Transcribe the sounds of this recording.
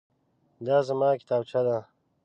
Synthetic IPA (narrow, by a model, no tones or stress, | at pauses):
d̪aːzəmɑːkɪ̥t̪aːbt͡ʃʰad̪a